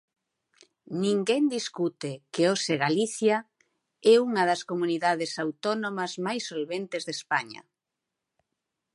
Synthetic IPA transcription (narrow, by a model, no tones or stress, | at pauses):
nĩŋɡɛnd̪iskut̪ekeoseɣaliθja | ɛuŋɐðɐskomuniðaðɪsawt̪ɔnomɐzmajsːolβent̪ezðespaɲɐ̰